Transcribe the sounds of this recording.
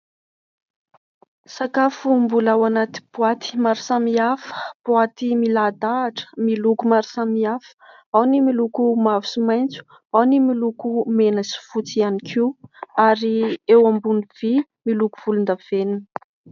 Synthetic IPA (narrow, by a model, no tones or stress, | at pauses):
sakafumbulawanat̪i̥b̥uat̪i̥maɾusamiafə̥b̥uat̪imilad̪aːʈ͡ʂə̥milukumaɾu̥samiafə̥ | awnimilukumavusimajnt͡su̥ | awnimilukumenəsi̥fut͡sianikʰiwaɾiewambuniv̥i | milukuv̥ulund̪av̥eninə